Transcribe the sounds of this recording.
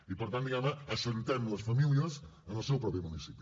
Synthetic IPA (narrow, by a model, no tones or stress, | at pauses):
ipəɾt̪and̪iɣamnəəsənt̪ɛmləsfəmiliəzənəlˠsɛwpɾɔpimunisipi